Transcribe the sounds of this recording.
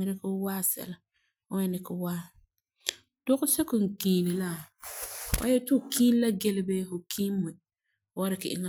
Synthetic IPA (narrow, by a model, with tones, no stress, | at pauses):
ɪ˦ɾɪ˦kʊ˦waː˦˨sɛ̰˨la˨ | ʊ˦jɛ˦nɪ˨kɪ˦waː˦˨ | d̥ʊ˦ɣʊ˦sɛ˦kʊ˨ŋ̩˨kiː˨ni˨la˦ | wʔa̰˦jɛ˦tʊ˦˨kʰi˦n˦la˦ɡe˦lɪ˦beː˦fʊ˨kʰiː˦mːɨ˨˦ | wa˦ɾɪ˨kɪ˨ʔɪ̰˦ŋa˦˨